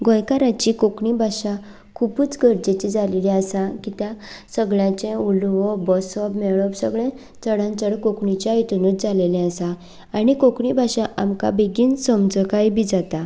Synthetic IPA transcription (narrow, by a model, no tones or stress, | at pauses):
ɡɔjkaɾat͡ɕikokɳibʱaɕa | kʰubuːt͡sɡʱəɾd͡ʑet͡ɕid͡zalilɛasakit̪jãsəɡɭjãt͡ɕẽulʋɔbɔsɔbmeɭɔbsəɡɭɛ̃ | t͡səɽãnt͡səɽkokɳit͡ɕaajt̪unutd͡zalelɛ̃əsaː | nikokɳibʱaɕaʔamka̰beɡiːnsəmd͡zɔkajbid͡zat̪a